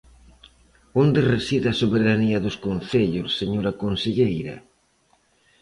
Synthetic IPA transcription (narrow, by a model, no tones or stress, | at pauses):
ond̪eresiðɐsoβeɾaniɐðʊskon̟θeʎʊsːeɲoɾɐkonseʎejɾɐ̰